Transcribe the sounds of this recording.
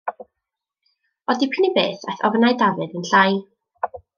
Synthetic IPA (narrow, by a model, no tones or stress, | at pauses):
ɔdipʰɪnibeːθa̰θɔ̰vnaɨdavɨðənɬaj